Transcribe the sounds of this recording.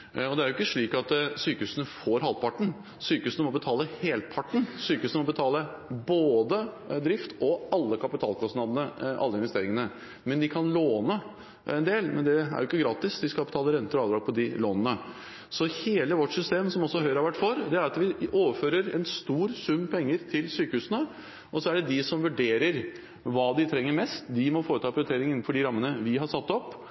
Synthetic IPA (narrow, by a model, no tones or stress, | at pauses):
ɔd̪ɛæɾjʊɪkːəʂɭiːkɑt̪syːkəʉːsənəfoɾɦɑlpʰɑʈːɳ̩ | syːkəʉːsənəmɔbət̪ʰɑːləheːlt̪̚pʰɑʈːɳ̩syːkəʉsnəmɔbət̪ʰɑːlə | boːd̪ə | d̪ɾɪft̪ʰɔɑlːəkʰɑpɪt̪ʰɑːlkʰɔsnɑd̪ənəʔɑ̰lːəɪnʋɛst̪eːɾɪŋənə | mɛnd̪ɪkʰɑnloːnə | ɛnd̪eːlmɛ̰nd̪ɛæ̰ɾjʊɪkːəɡɾɑːt̪ɪsd̪ɪskɑpɪt̪ʰɑːləɾɛnt̪əɾɔɑːʋd̪ɾɑːɡ̚pʰɔd̪ɪloːnənə | sɔheːləʋɔʈːsʏst̪eːmsɔmɔsːɔæɦœʏɾɑʋæʈːfɔɾd̪ɛæɾɑt̪ʋɪoːʋəɾføːɾəɾɛnst̪uːɾsʉmːpʰɛŋːəɾt̪ʰɪlsyːkəʉːsənə | ʔɔsɔæɖɛd̪ɪsɔmʋʉɖeːɾəɾ | ʋɑːd̪ɪt̪ʰɾɛŋːəɾmɛst̪d̪ɪmɔfoːɾət̪ʰɑːpʰɾʏt̪ʰeːɾɪŋɪnːn̩fɔɖɪɾɑmːənəʋɪɦɑɾsɑt̪ːɔpː